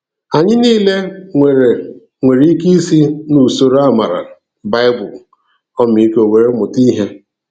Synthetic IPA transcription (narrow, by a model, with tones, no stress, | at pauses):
a˨ɲɪ˦niː˦le˦ŋʷe˨ɾe˨ | ŋʷe˨ɾi˦ki˦i˦si˦nu˨so˨ɾa˦ma˨ɾa̰˨ | ba˦ɪ˦bʊ˨l | ɔ˦mi˨˦ko˨we˨ɾe˦mʊ˨ti˦ɦe˦